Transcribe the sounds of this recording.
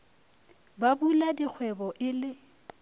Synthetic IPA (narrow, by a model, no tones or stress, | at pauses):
babuladik͡xʰwɛbɔʔɪlɪ